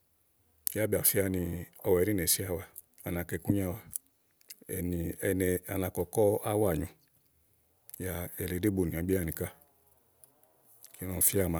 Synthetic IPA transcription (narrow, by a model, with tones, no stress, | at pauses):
ja˦bi˨a˨fi˦a˧nĩ˧ɔ˧wɛ˨˧ɾĩ˦nɛ˨si˦a˦˧˨wa˧ | a˨nã˨˧kɛ˧˦kũ˦ɲ˦a˦˧wa˧ | ɛ̰˨ni˧nɛ˧a˨˧nã˧kɔ˨kɔ˦a˦wa˦˨ɲũ˨˧ | ja˧ɛ˨le˨˦de˦bo˨nĩ˨ã˨˦ɡ͡bi˦a˦˧nĩ˨ka˧ | ki˨˦nɔ̃˧˨fi˦a˧˨mã˨˧˦